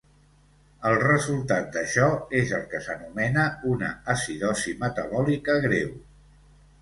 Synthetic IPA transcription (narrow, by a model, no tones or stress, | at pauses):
əlˠrəzulˠt̪at̪̚d̪əʃɔezəlˠkəsənumɛnəunə̰əsiðɔsimət̪əβɔlikəɣɾew